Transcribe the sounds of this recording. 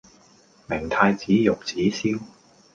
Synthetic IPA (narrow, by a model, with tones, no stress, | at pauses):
mɪ˨˩ŋt̪ʰaː˧jt͡siː˨˥jʊ˨k̚t͡siː˨˥siː˥w